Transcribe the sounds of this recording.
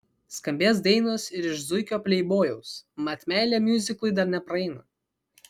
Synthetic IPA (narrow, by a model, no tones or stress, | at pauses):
skɐmʲbʲeːs̬d̪ɛɪnoːsɪɾɪʃzʊɪkʲoːpʲlʲɛɪboːjɛʊsmɐt̪ʲmʲæːlʲeːmʲjʊzʲɪkˠʊɪd̪ɐɾnʲɛpɾɐɛɪnɐ